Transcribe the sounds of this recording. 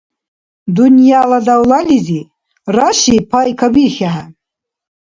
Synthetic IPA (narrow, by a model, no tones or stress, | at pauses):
d̪unjalad̪awlalizi | raʃipʰajkʰabiɾxaɦa